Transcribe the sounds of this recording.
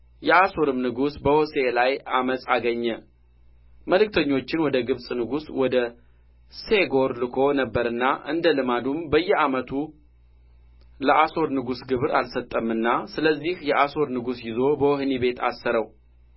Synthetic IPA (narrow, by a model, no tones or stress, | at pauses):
jɛaso̞ɾɨmnɨɡusbəhose̞lajaməsʼaɡəɲːə | məlɨk̚t̪ʰəɲːo̞t͡ʃːɪnwɔd̪əɡɨβsʼnɨɡuswɔd̪ə | se̞ɡo̞ɾlɨkʰo̞nəbːəɾɨnːaʔɨ̰nd̪əlɨmad̪umbəjːɛamət̪ʰu | ləʔaso̞ɾnɨɡusɡɨβɾalsət̪ʼːəmɨnːasɨləzːihjɛʔaso̞ɾnɨɡusjɪzo̞bəwɔhnibe̞t̪ʰa̰sːəɾəw